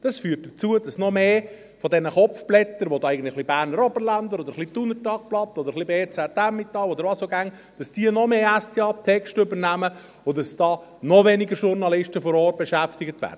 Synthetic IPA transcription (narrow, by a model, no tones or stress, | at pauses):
d̥ɑsfyːrt̚d̥ət͡suəd̥ɑsnɔmeː | fɔd̪ɛnəχɔp͡fblɛt̪ːəɾʋod̪ɑːɛɪɡən̩tlɪχlibæːɾnəɾɔbəɾlænd̪əɾɔd̪əɾχlit̪unətɑk̚plɑt̚ːɔd̪əɾχlibeːt͡sɛt̪æmːɪt̪ːɑlɔd̪əɾʋɑːsoɡæŋ | d̥ɑsd̥iənɔmeːæsiɑp̚t̪ʰɛkʃtʏbəɾnæmə | ʊdɑsd̥ɑː | nɔveniɡəʃʊɾnɑlɪʃtəfɔɾɔːrt̚b̥eʃæftɪɡət̪væ̰ːɾdə